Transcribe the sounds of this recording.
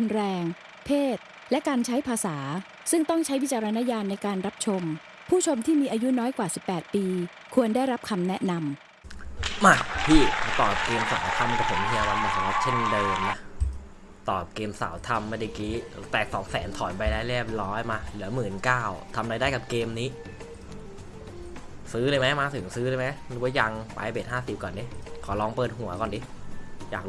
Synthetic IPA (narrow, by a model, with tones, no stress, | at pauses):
u˧nɾɛː˧ŋ | pʰeː˥˩t̪̚ | lɛ˦˥kaː˧nt͡ɕʰa˦˥jpʰaː˧saː˩˦ | sɯ˥˩ŋt̪ɔ˥˩ŋt͡ɕʰa˦˥jwi˦˥t̚t͡ɕaː˧ɾa˧na˦˥jaː˧nːa˧jkaː˧nɾa˦˥p̚t͡ɕʰo˧m | pʰuː˥˩t͡ɕʰo˧mt̪ʰiː˥˩miː˧ʔaː˧ju˦˥nɔː˦˥jkwaː˨˩si˨˩pːɛː˨˩t̪̚piː˧ | kʰu˧əndaː˥˩jɾa˦˥p̚kʰa˧mnɛ˦˥ʔna˧m | ma˧˩p̪ʰiː˥˩t̪ɔː˨˩p̚keː˧msa̰ː˨˩˦wt̪ʰa˧mka˨˧˩sʰe˨˩˦n˧t̪ʰi˧ə˧wa˧nmaː˧˩sa˨˩˦a˧˩t̪̚t͡ɕʰe˥˩ndɤː˧mna˦˥ | t̪ɔː˨˩p̚keː˧msa̰ː˨˩˦wt̪ʰa˧mːa˧˥˩da˧˩kiː˦˥t̪ɛː˨˩k̚sɔ̰ː˩˦ŋsɛː˩˦nt̪ʰɔː˩˦npa˧jɾaː˦˥˩jliː˥˩p̚lɔː˦˥jmaː˧lɯ˩˦ɐmɯː˨˩nkaː˥˩wt̪ʰa˧mɾaː˧daː˥˩jka˨˩p̚keː˧mniː˦˥ | sɯː˦˥lɤː˧jma˦˥jmaː˧t̪ʰɯ˨˩˦ŋsɯː˦˥ɾɤː˧jma˦˥jlɯ˦wa˦ja˧ŋpa̰˧beː˨˩t̪̚haː˥˩si˨˩p̚kɔː˨˩ndi˦˥kʰɔː˩˦lɔː˧ŋpɤː˨˩t̪̚hu˨˩˦ɐkɔː˨˩ndi˦˥jaː˨˩k̚